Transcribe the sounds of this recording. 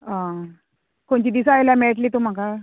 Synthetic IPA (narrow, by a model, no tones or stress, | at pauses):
ã | koɳt͡ɕid̪isəajljameɭʈliːt̪um̤aka